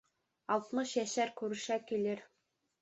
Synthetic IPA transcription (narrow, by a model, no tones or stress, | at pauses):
ɑlˠt̪mɤʃjæʃæɾkʉɾɘ̆ʃækilɘɾ